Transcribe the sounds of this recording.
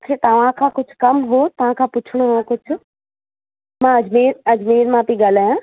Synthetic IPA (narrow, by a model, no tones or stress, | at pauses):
kʰet̪ɐʋ̤ãkʰãːkʊd͡ʑʱʊ̥̆kɐmɦot̪ɐʋ̤ãkʰãːpʊt͡ɕʰɪɽ̃uɦõkʊd͡ʑʱʊ̆ | mãɐd͡ʑmeːɾɐd͡ʑmeːɾmãpĩɡaːl̤aːjãː